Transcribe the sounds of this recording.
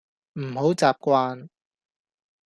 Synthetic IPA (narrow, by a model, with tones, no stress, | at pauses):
m̩˨˩ho˨˥wt͡saː˨p̚kʷaː˧n